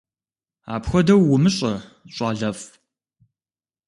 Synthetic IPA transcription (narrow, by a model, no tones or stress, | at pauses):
a̰ːpxʷɔdɐwːʊmɨɕʼɐ | ɕʼɑaːɮɐf